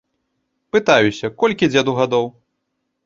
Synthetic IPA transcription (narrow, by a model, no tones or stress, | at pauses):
pɨt̪ajusʲɐkɔlʲkʲid͡zʲɛd̪uɣad̪ɔw